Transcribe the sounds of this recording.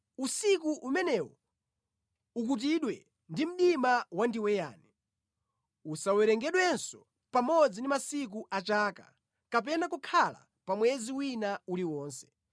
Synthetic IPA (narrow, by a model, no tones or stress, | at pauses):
usikuʔumɛnɛwɔ | ukut̬iɗwɛ | ndim̩ɗimawandiwɛja̰ːni | usawɛɾɛŋɡɛɗwɛnsɔ | pamɔd͡zindimasik̬uʔat͡ʃaːka̰ | kap̬ɛnakukʰala̰ | pamwɛziwinauliwɔːnsɛ̥